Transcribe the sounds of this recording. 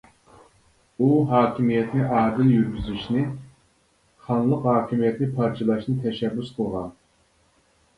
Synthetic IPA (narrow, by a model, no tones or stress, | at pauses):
uɦɑːkʲimijɛt̪nɪʔɑːd̪ɨljyɾɡʲyzyʃnɪ | χɑnlˠəqɦɑːkʲimijɛt̪nɪpʰɑɾt͡ʃʰɑlˠɑʃnɨt̪ʰɛʃɛbːysqʰəlˠʁɑ̰n